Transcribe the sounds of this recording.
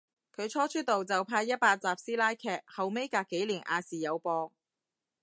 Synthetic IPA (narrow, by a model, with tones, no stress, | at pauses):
kʰɵ˨˧ɥt͡ʃʰɔː˥t͡ʃʰɵ˥t̚t̪o˨wt͡sɐ˨wpʰaː˧jɐ˥t̚paː˧t̚t͡saː˨p̚siː˥laː˥jkʰɛː˧k̚hɐ˨wme˥jkaː˧kːe˨˥jliː˨˩nʔa̰ː˨˧siː˨˩jɐ˨˧wpɔː˧ŋ